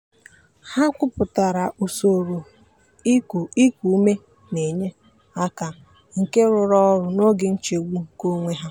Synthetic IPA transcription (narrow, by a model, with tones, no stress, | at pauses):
ha˦kʷʊ˦pʊ˨ta˨ɾa˨ʔu˨so˨ɾo˨ | i˦˨i˦kʷu˨u˦me˦ | ne˨ɲe˦ | a˦ka˨ | ŋ̩˨ke˦ɾʊ˨ɾɔ˦ɾʊ˨no˦ɡɪ˨n̩˦t͡ʃe˨wʷu˦˨ko˦ŋʷe˦ɦa˦